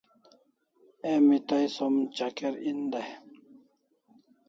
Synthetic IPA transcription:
emit̪ajsomt͡ɕakeɾind̪aj

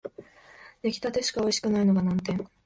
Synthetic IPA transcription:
d̪̥e̞kʲi̥t̪at̪e̞ɕi̥kao̞iɕi̥kɯ̟naino̞ɡanãnt̪ẽ̞ŋ

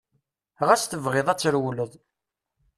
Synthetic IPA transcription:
ʁæsθəvʁɪðˤæt͡sːəɾwləðˤ

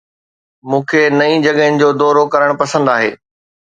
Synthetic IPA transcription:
mũːkʰenɐĩd͡ʑɐɠɦɪnɪ̆d͡ʑoːd̪ɔːɾokɐɾəɽ̃pɐsə̃nd̪aːɦḛː

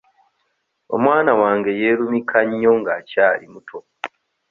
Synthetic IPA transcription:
o̞̰mwaːnawaːŋɡe̞je̞ːɾumikʰaɲːo̞ŋɡaːcaːɾimutʰo̞

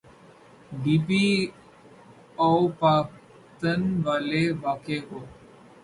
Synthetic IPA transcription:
ɖiːpi | ɔpaːk | t̪ənʋaːleʋaːkeɦoː

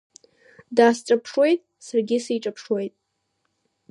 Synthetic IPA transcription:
daːsʈ͡ʂʼapʰʂwe̞jtʼ | sarɡʲɪsijʈ͡ʂʼapʰʂwe̞jtʼ

